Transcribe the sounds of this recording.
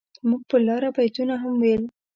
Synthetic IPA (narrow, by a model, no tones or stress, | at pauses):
muɡ̚pəlɑɾapajt̪unaɦamwel